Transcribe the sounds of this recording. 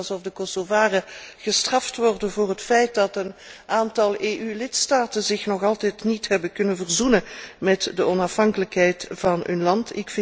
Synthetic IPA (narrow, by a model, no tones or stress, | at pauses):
zɔfdəkɔsovaːrəɣəstrɑftʋɔrdənvʊːrɦətfɛjt̚dɑtənʔaːntɑlˠeːʔylɪtstaːtənzɪxnɔχɑlˠtɛjtnitɦɛbəkɵnənvərzunəmɛtdəɔnɑfɦɑŋkələkɦɛjtv̥ɑnɵnlɑntɪ̰kfɪ